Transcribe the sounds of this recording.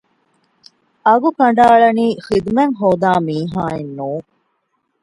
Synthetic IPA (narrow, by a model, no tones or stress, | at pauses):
ɐɡukɐɳɖaːɭɐniːxid̪meŋɦoːd̪aːmiːɦaːenːuː